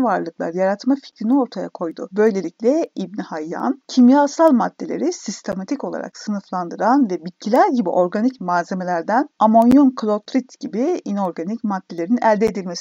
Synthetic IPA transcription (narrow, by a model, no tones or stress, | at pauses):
vaɾlˠɯklˠa̰ɾɯjaɾat̪mafi̥cʰɾinio̞ɾt̪ʰaja̰kʰo̞jd̪ʊ̰bø̞jlʲe̞lʲiclʲɛibnihajːa̰ncʰimjasalˠmad̪ːe̞lʲeɾisist̪ʰe̞mat̪ʰico̞lˠa̰ɾʔa̰ksɯnɯflˠand̪ɯɾanvɛbit̪̚cʰilʲæɾɟibḭʔo̞ɾɡanicmaːze̞me̞lʲæɾd̪ænamo̞njonkʰlʲˠot̪ɾit̪ɟ̥ibiino̞ɾɡanicmad̪ːʲelʲe̞ɾinæ̰lʲd̪eːd̪ilʲmes